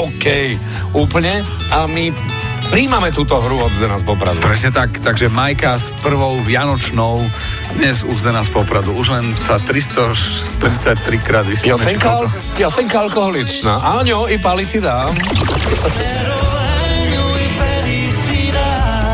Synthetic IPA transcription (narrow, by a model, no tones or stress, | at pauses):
ɔkɛj | uːpl̩ɲɛ | ami | pɾiːmamɛt̪uːt̪ɔɦɾuɔzd̪ɛnaspɔpɾa̰d̪ṵpɾɛsɲɛt̪akt̪aɡʒɛmajkaspr̩ʋɔʊʋɪanɔt͡ʃnɔʊ | d̪ɲɛzuzd̪ɛnaːspɔpɾad̪uuʒlɛnsat̪ɾist̪ɔʃ | t̪ɾit͡sac̚t̪ɾikɾaːd̪ʋispjɔsɛɛɲka | pjɔsɛɲkaalkɔɦɔlit͡ʃnaːʔaɲɔipalisid̪a | pɛ | isi